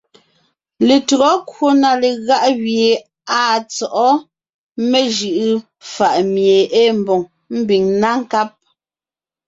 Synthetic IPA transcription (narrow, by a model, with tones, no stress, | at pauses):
le˨tu˨ɣɔ˦kwo˦na˨le˨ɣa˦ʔɣje˨ | a˦˨t͡sɔ˨ʔɔ˦ | me˦ʒɯ˨ʔɯ˦ | fa˨ʔmje˨ʔe˦m˨bɔ˨ŋ | m̩˦bi˨ŋna˦ŋ˦ka˦p̚